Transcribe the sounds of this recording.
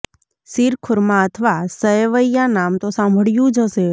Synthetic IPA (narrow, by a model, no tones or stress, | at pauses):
siɾkʰʊɾmãət̪ʰəʋasəeʋəijanamt̪osãmbʱəɭjũd͡ʒʱəʃe